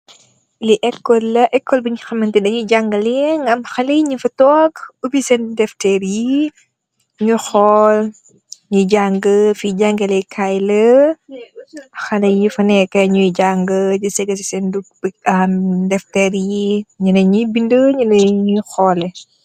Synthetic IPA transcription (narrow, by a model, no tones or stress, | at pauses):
liʔɛkːɔlːɐʔɛkːɔlbɐɲuxɐmɐntidɐɲuɟaŋɡɐliɛŋɐmxɐlijɲufɐtɔːkubisɛndɛftɛɾji | ɲuxɔl | ɲuɟaŋɡəfiɟaŋɡɐlɛjkʰajlɐ | xɐlɐjifɐnɛkɐɲujɟaŋɡəd͡ʒusɛɡɐs̬isɛnduk̚bɐmdɛftɛːɾjiɲunɐɲubindəɲunɐɲuxɔːlɛ